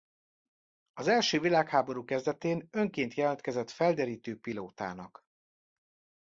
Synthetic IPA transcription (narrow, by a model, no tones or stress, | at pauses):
ɒzɛlʃøːvilaːkhaːbo̞ɾuːkɛzd̪ɛt̪eːnø̞ŋkeːnt̪jɛlɛnt̪kɛzɛt̪fɛld̪ɛɾiːt̪øːpiloːt̪a̰ːnɒk